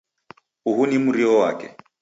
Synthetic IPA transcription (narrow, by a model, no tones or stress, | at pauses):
uɦunimuɾiɔwakɛ̰